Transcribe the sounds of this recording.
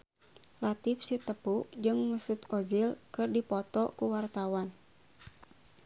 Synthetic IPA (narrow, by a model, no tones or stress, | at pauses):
lat̪ifsit̪əpud͡ʒɨŋməsut̪ɔd͡ʒilkɨrdipɔt̪ɔkuwart̪awan